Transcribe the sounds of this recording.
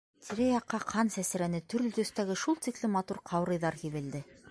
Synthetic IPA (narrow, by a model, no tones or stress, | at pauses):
t̪ʰiɾæjɑqʰːɑqʰɑnsæsɘ̆ɾænɘt̪ɵ̆ɾlɵt̪ɵ̆st̪æɡɘʃulˠt̪iklɘmɑt̪uɾqʰɑwɾɤ̆jðɑɾhiβɘ̆ld̪ɘ